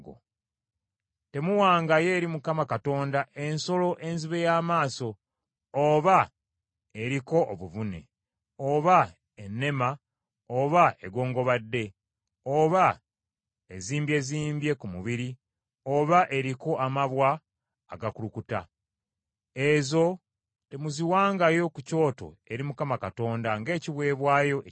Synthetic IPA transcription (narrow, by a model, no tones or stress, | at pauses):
o̰ | te̞muwaːŋɡaje̞ːɾimukamakato̞ːndaʔe̞nso̞lo̞ʔe̞nziβe̞jaːmaːso̞ː | βa | eɾiko̞ʔoβuβune̞̰ | oβa | enːe̞ma | oβae̞ɡo̞ːŋɡo̞βadːe̞ | oβa | eziːmbje̞ziːmbje̞kumuβiɾi | oβaʔe̞ɾiko̞ʔamaβwaː | ɡakulukuta̰ | ezo̞ | te̞muziwaːŋɡajo̞kuco̞ːto̞̰e̞ɾimukamakato̞ːndaŋɡe̞ːciβwe̞ːβwaːjo̞ʔe